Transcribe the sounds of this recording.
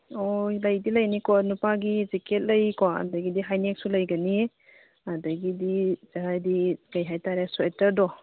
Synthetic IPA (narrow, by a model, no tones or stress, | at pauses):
ojlɐjdilɐjnikɔnupaɡizikʰet̚lɐjkɔɐ̰dɐɡidiɦajnek̚sulɐjɡɐni | adɐɡidizaɾajdiɡɐjɦajtaɾesuetɐɾdɔ